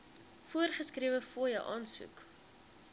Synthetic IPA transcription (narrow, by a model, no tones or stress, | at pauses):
fuərχəskriəvəfuəjəwʔɑːnsṵk